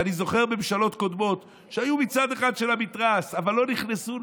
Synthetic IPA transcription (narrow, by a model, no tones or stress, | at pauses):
anizo̞χe̞ʁbemʃalo̞t̪ko̞d̪mo̞t̪ | ʃeajumit͡sad̪eχad̪ʃe̞lamit̪ʁasavalːo̞niχnesu